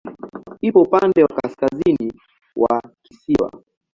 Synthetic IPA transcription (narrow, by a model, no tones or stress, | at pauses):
ipɔupandɛwa̰kaskazini | wakisiwa̰